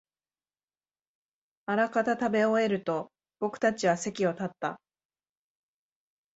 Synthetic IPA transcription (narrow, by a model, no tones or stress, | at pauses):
aɾakat̪at̪abe̞oe̞ɾɯ̟t̪o̞ | b̥o̞kɯ̟̥t̪at͡ɕiβase̞kʲio̞t̪at̪ːa